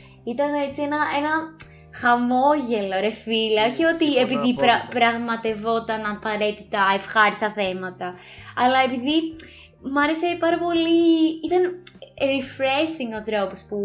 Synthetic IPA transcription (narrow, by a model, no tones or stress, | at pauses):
it̪ɐne̞t͡sie̞nɐe̞nɐ | xɐmo̞ʝe̞loɾefilɐoçio̞t̪ie̞piðipɾɐpɾɐɣmɐt̪e̞vo̞t̪ɐnɐpɐɾe̞t̪it̪ɐefxɐɾist̪ɐθe̞mɐt̪ɐ | ɐlɐe̞piði | mɐɾese̞pɐɾɐpo̞liit̪ɐnɾifɾesiŋɡo̞t̪ɾo̞pospu